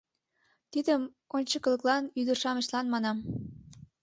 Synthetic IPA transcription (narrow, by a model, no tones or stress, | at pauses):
t̪id̪əm | onʲt͡ɕɤ̆kɤ̆lə̆klɑnyd̪ə̆rʃɑmeʃlɑnmɑnɑm